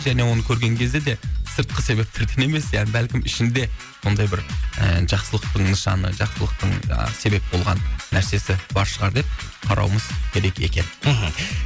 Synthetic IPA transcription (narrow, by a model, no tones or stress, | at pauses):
ʒæne̞wo̞nəkʲʰɵɾɡʲe̞ŋkʲʰe̞zd̪e̞d̪e̞səɾt̪̚qəse̞be̞p̚t̪ʰɪɾɡ̪ʲʰene̞me̞sjæbælkʲɪmɪʃɪnd̪e̞ | so̞nd̪ɑjbɪɾə̰ʒ̥ɑqsəlˠəq̚t̪əɴnəʃɑnə̰ʒɑqsəlˠəq̚t̪əɴə̰se̞be̞p̚bo̞lˠʁɑnːæɾse̞sɪbɑɾʃəʁɑɾd̪e̞p̚qʰɑɾɑ̰wəməz̥kʲʰe̞ɾe̞kʲe̞kʲe̞n̩ɦ̩